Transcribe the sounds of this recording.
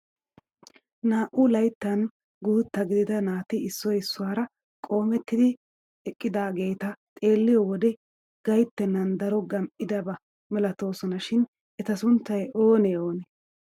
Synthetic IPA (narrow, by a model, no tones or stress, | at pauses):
naːʔʊlɐjt̪ːɐn | ɡuːt̪ːɐɡɪd̪ɪd̪ɐnaːt̪ɪɪsːɔjɪsːʊwaːɾɐ | kʼo̞ːmɛt̪ːɪd̪ɪ | ɛkʼːɪd̪aːɡe̞ːt̪ɐt̪ʼe̞ːlːɪjɔwɔd̪ɛ | ɡ̥ɐjt̪ːɛnːɐnd̪ɐɾɔɡɐmʔɪd̪ɐbɐ | mɛlɐt̪o̞ːsɔnɐʃɪn | ɛt̪ɐsʊnt̪ːɐjo̞ːnɛo̞ːnɛ